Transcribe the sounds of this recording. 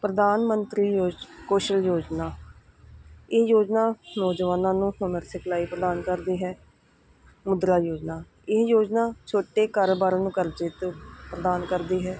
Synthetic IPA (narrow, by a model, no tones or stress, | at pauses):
pɾəd̪aːnmənt̪ɾiːjoːd͡ʒkoːʃəljoːd͡ʒnaː | ɪjoːd͡ʒnaːnɔːd͡ʒʋaːnãːnũːhʊnəɾsɪkʰlaːiːpɾəd̪aːnkəɾd̪iːɦɛː | mʊd̪ɾaːjoːd͡ʒnaː | ɪɦjoːd͡ʒnaːt͡ʃʰoːʈeːkəɾbaːɾãːnũːkəɾd͡ʒɪt̪pɾəd̪aːnkəɾd̪iːɦɛː